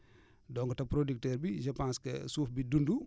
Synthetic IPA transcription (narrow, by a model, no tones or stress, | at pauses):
dɔŋɡɔtɐpɾodik̚tɛːɾbid͡ʒɐpanskɛ̰suːfbidundu